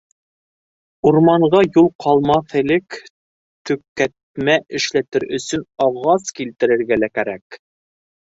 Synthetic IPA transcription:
uɾmɑɴʁɑjulˠqɑlˠmɑθɘ̆lɘk | t̪ɵ̆kːæt̪̚mæʔɘ̆ʃlæt̪ɘɾɵ̆sɵnɑʁɑskilt̪ɘ̆ɾɘ̆ɾɡælækæɾæk

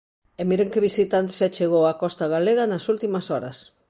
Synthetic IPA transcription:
emiɾeŋkeβisit̪ant̪sat͡ʃeɣoako̞st̪aɣaleɣanasult̪imasoaɾas

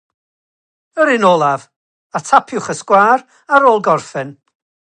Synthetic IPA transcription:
əɾɪnoːlˠav | atʰapʰɪwχəskwaːr | aɾoːlˠɡɔrfɨn

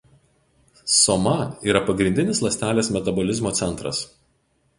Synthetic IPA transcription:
sɔmɐiːɾɐpɐɡɾʲɪnʲd̪ʲɪnʲɪslˠɐsʲt̪ʲæːlʲeːsmʲɛt̪ɐbɔlʲɪzmoːt̪ʲɛnt̪ɾɐ̰s

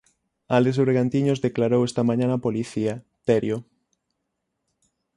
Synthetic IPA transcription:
ales̬ɾeɣant̪iɲozðeklaɾowest̪amãɲãnapoliθia | t̪eɾjo

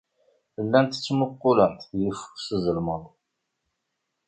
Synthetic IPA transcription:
əlːænt̪ə̥t͡sːmʊqːʊlənt̪jifu̥ksəzəlməðˤ

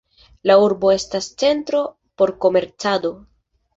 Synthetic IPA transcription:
lauɾbo̞e̞stast͡se̞ntɾo̞ | po̞ɾko̞me̞ɾt͡sado̞

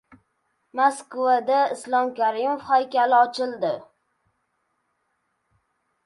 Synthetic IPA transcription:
maskvad̪aɪslˠɒmkʲaɾimofhajkʲalɪɒt͡ʃʰɪlˠd̪ɪ

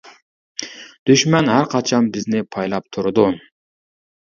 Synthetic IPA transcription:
d̪̥yʃmɛnhæɾqʰɑt͡ʃʰɑnbɪznɪpʰɑjlˠɑp̚t̪ʰuɾd̪ʊ

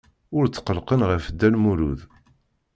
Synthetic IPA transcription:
ʊɾt͡sːqəlqənʁəfd̪ːænmuɾṵð

